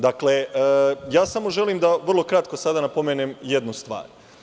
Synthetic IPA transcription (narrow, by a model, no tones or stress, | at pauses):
d̪akle̞jaːsamo̞ʒe̞liːmd̪aʋr̩lˠo̞kɾat̪̚ko̞sad̪anapo̞menemje̞d̪nust̪ʋa̰ːɾ